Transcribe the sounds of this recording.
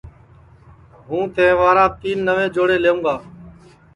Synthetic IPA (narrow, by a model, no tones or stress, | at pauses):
ɦũːt̪ẽːʋaːɾãːt̪iːnːəʋẽːd͡ʒoːɽeːleːũːɡaː